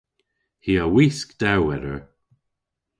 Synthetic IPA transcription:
hiːəwiːskd̪̥awwɛɾəɹ

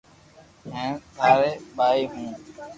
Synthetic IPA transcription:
ɦɛ̃ːt̪ʰaːɾeːɓaːiːɦũː

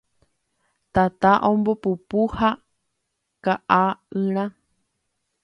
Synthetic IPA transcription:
t̪at̪aʔõmbopupuha | kaʔaɨ̃ɾ̃ã

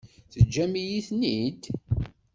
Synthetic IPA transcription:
θəd͡ʒːæmijiθnid̪

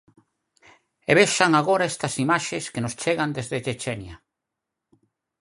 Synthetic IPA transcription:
eβeʃaŋaɣoɾaest̪ɐsimaʃeskenost͡ʃeɣand̪ezðet͡ʃet͡ʃenja

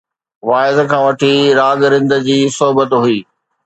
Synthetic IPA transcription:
ʋaːɪzkʰãːʋɐʈʰiɾaːɡɾɪ̃nd̪ə̆d͡ʑiːsɔɦbət̪ɦʊiː

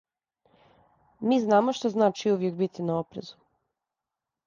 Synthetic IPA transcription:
miːznaːmoʃt̪oznaːt͡ʃiuʋje̞k̚bit̪ʰinao̞pɾezu̥

